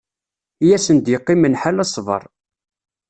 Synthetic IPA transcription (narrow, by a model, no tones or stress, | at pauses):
jæsənd̪jeqːimənħalɑsˤvə̰ɾˤ